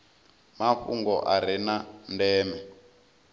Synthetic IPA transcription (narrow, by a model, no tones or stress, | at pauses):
mafṵŋɡɔʔaɾ̤inandɛːmɛ